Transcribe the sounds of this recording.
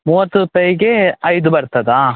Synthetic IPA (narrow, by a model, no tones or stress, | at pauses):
muːʋɐt̪ːuɾupɐjɡeɐjd̪ubɐɾt̪ɐd̪aː